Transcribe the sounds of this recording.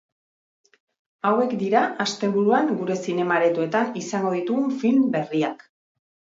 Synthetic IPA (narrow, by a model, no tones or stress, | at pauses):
awe̞kd̪iɾaast̪e̞βuɾuaŋɡuɾe̞sine̞maɾe̞t̪ue̞t̪anisaŋɡo̞ðit̪uɣuɱfimbe̞riak